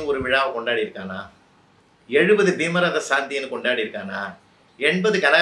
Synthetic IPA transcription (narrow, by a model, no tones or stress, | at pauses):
ɔɾɯʋɪɻaːʋɐkɔɳɖaːɽiɪɾɯkːaːnaː | ɛɻɯbɐðɯbiːmɐɾaðɐsaːnd̪ɪjɐnɯkɔɳɖaːɽiɾɯkːaːnaː | ɛɳbɐðɯkɐnɐ